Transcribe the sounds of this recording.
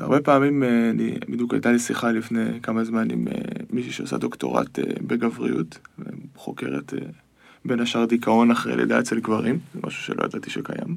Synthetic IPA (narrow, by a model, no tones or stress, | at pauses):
a̰ʁbe̞paːmimeanḭbid̪juka̰jt̪alisiχalifnekamazmanḭmeːiʃiʃeosa̰d̪o̞kto̞̰ʁa̰t̪ebeɡavʁḭjṵtvḛχo̞ke̞ʁḛte | be̞naʃaʁd̪ikʰao̞naχʁḛlʔeda̰ːt͡ʃelɡvaʁimzemʔa̰ʃu̥ʃeloja̰d̪at̪iʃekaja̰m